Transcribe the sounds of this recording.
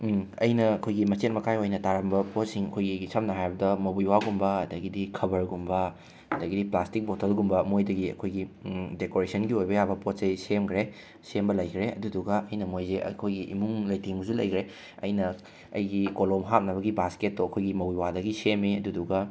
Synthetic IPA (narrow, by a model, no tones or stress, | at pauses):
ɐ̰jnɐːkʰojɡimɐt͡ʃet̚mɐkʰajojnɐtaɾɐmbɐpot̚siŋɐkʰojɡisɐm̚nɐɦajbɐdɐmobiwaɡumbɐɐdɐɡidikʰɐbɐɾɡumbɐ | ɐdɐɡidiplastik̚botʰɐlɡumbɐmojdɐɡiɐ̰kʰojɡidekoɾesʰɐnɡiojbɐjabɐpot̚sɐjsemkʰɾe | sembɐlɐjkʰɾeɐ̰duduɡɐʔɐjnɐmojzḛkʰojɡiʔḭmuŋlɐjtʰiŋɡuzulɐ̰jkʰɾe | ɐ̰jnɐ | ɐ̰jɡikolomɦat̚nɐβɐɡibasket̚ːoɐkʰojɡimɐwiwadɐɡisemiɐduduɡɐ